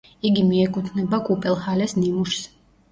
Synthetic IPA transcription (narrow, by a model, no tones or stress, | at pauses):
iɡimiɛkʼut̪ʰnɛbakʼupʼɛlˠhalɛsnimuʃs